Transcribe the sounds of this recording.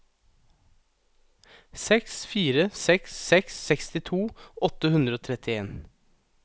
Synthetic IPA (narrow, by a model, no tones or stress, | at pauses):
sɛksfiːɾəsɛkssɛksːɛkst̪ɪt̪ʰuːʔɔt̪əhʉnd̪ɾəoːt̪ʰɾɛt̪ɪeːn